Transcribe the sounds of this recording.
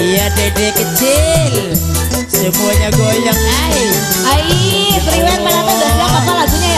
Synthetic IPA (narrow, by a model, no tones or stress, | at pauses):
ijadedekət͡ʃɪl | səmuaɲaɡojaŋa | i | ai | səɾimanmanat̪ad̪abuaŋmasalasuɲa